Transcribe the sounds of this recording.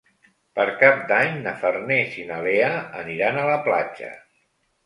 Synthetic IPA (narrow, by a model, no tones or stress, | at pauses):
pəɾkap̚d̪aɲnəfərnesinəleəə̰niɾanələplad͡ʒə̰